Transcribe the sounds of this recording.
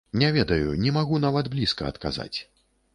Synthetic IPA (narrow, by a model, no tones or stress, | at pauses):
nʲɛvʲɛd̪ɐjunʲɛmaɣunavɐd̪blʲiskɐɐt̪ka̰za̰t͡sʲ